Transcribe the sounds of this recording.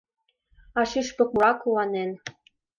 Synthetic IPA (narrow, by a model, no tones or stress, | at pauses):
ɑʃiʃpɤ̆k̚muɾɑkuwɑnen